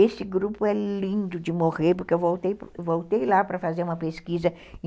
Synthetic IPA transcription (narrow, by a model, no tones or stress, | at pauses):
esɪɡɾupʊɛlĩnd̪ʊd͡ʒɪmoʁeɾpʊɾkɪewvowt̪ejpvowt̪ejlapɾɐfazeɾũmɐpeskizɐ̃